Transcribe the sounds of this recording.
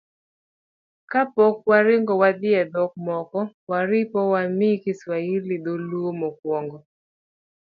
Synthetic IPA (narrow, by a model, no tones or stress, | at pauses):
kapɔk̚waɾɪŋɡɔwad̪ɪɛd̪ɔk̚mɔkɔwaɾɪpɔwamikɪswailid̪oluomɔkwɔŋɡɔ